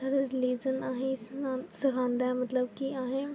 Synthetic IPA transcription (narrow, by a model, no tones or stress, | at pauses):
ɐɽɾɪliːd͡ʒənaːɦẽɪsnãsɐɡʱãːnd̪amɐt̪ləbkiaːɦẽ